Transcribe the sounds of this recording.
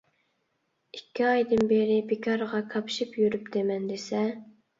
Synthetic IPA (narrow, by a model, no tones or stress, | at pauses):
ikʲːiɑjd̪ɨnbeɾɪbekʲʰɑɾʁɑkʰɑpʃipjyɾypd̪emɛnd̪esɛ